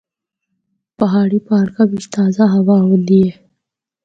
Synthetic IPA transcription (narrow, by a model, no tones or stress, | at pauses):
pɐɦaːɽipaːɾkabiʃt̪aːzaɦɐwaɦod̪ie